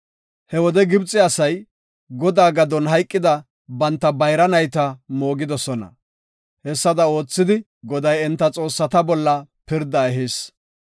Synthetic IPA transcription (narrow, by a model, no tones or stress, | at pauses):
hɛwɔd̪ɛɡɪbt͡sʼːɪɐsɐj | ɡɔd̪aːɡɐd̪ɔnɦɐjkʼːɪd̪ɐ | bɐnt̪ːɐbɐjɾɐnɐjt̪ɐmo̞ːɡɪd̪ɔsɔnɐ̰ | hɛsːɐd̪ɐo̞ːt͡sːɪd̪ɪ | ɡɔd̪ɐjɛnt̪ːɐt͡sʼo̞ːsːɐt̪ɐbɔlːɐpɪɾd̪ɐɛɦiːs